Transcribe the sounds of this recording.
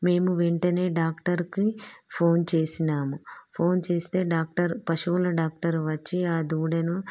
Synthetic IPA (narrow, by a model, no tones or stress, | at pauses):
me̞ːmuʋeɳʈɐne̞ːɖaːkʈɐɾkipʰo̞ːnt͡ʃe̞ːsinaːmupʰo̞ːnt͡ʃe̞ːst̪e̞ːɖaːk̚ʈɐɾpɐʃuːlɐɖaːk̚ʈɐɾʋɐt͡ʃːiaːd̪uːɽɐnu